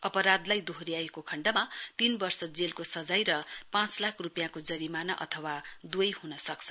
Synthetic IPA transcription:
ʌpʌɾad̪lajd̪oɦɾiaekokʰʌɳɖʌmat̪inbʌrsʌd͡zelkosʌd͡zajɾʌpãt͡slakʰrupjãkod͡zʌɾimanʌʔʌ̰t̪ʰʌwad̪wʌjhunʌsʌkt͡sʰʌ

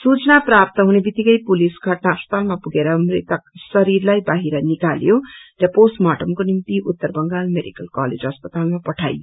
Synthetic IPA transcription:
sut͡snaprap̚t̪ʌɦunebit̪ːikʌjpulisɡʱʌʈnaɦʌspʌ̥t̪almapuɡeɾʌmrit̪ʌk̚sʌɾirlajbaɦiɾʌnikaljorʌposmaʈʌmkonint̪iʔut̪ːʌrbʌŋɡalmeɖikʌlkalḛd͡zɦʌspʌt̪almapʌʈʰa̰j

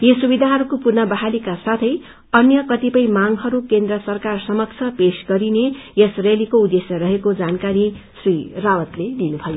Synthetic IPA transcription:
jesubid̪ʱaɦʌɾukopurnʌbaɦalikasat̪ʰʌj | ʌnjʌkʌt̪ipʌjmaŋɦʌɾukend̪rʌsʌrkarsʌmʌk̚t͡sʰʌpesɡʌɾineesrelikoud̪esjʌɾʌɦekod͡zankaɾisrirawʌt̪led̪inubʱʌjo

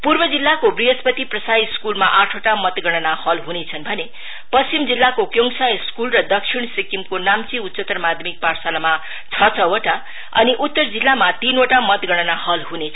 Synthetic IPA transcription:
purbʌd͡zilːakobriɦʌspʌt̪iprʌsajskulmaʔaʈʰoʈamʌt̪ɡʌɽ̃ʌnahʌlɦunet͡sʰʌnbʱʌne | pʌst͡simd͡zilːakokjoŋsajskulrʌd̪ʌkʂʰiɽ̃sikimkonamt͡siut̪sʌt̪rmad̪ʱmik̚parsalama | t͡sʰʌt͡sʰʌoʈa | ʌ̰niʔut̪ːʌrd͡zilːamat̪inoʈamʌt̪ɡʌɽ̃ʌnahʌlɦune

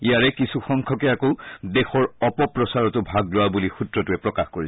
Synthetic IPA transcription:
ijaɹɛkisuxɔŋkʰɔkɛakodexɔɹɔpɔpɹɔsaɹɔtʊbʱaɡlʊabulixutɹɔtuɛpɹɔkaxkoɹi

